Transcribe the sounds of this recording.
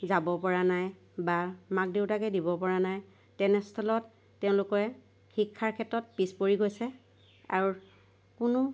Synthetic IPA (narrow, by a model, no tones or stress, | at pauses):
zabɔpɔɹanaj | bamak̚deʊtakɛdibɔpɔɹanaj | tɛnɛstʰɔlɔtː | ɛʊ̃lʊkɔɹɛ | xikʰːaɹkʰɛtɹɔt̚pispoɹiɡojsɛ | a̰ɹu | kʊnʊ